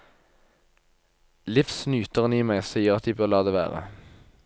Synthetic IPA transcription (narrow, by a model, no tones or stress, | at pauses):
lɪfsnyːt̪əʁəniːmæɪsiːəʁɑt̪ʰjɪbœʁlɑːd̪eːʋæ̰ːʁə̰